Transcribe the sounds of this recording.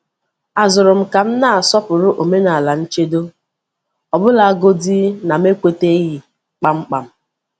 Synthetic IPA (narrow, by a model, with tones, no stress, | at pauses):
a˨zʊ˨ɾʊ˨m̩˨ka˨m̩˦na˦˨a˨sɔ˦pʊ˨ɾʊ˦ʔo˨me˦na˨a˨la˨n̩˦t͡ʃe˦do˦ | ɔ˨bʊ˦la˨a˦ɡo˦di˦na˨m˦e˦kʷe˦te˦ɦi˨ | k͡pa˦ŋ͡m̩˦k͡pa˨m̩˦